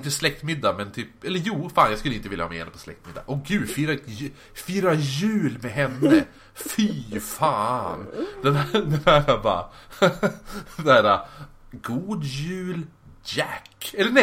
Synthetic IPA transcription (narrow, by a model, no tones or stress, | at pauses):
ɪnt̪əslɛk̚t̪mɪd̪ːamɛnt̪ʰyːpɛlːəɾjuːfaːnjɑɡskɵləɪnt̪əvɪljahɑːmɛ̰ːɛ̰nd̪əpʰɔslɛ̰k̚t̪mɪd̪ːa̰ʔɔɡʉ̟ːd̪fiːɾaj | fiːɾajʉ̟ːlmɛɦɛnːə̰ | fifaːnd̪ɛnæd̪ɛnhæːɾabɑ̰ | d̪ɛæːɾa | ɡuːd̪jʉ̟ːld͡ʒækːɛlːəɳɛ